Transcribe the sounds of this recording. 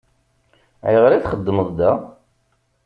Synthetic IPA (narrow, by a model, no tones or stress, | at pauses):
ʕjəʁɾiθχəd̪ːəməðˤd̪æ